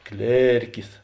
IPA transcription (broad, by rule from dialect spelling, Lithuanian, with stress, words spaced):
ˈklʲeːrʲkʲɪs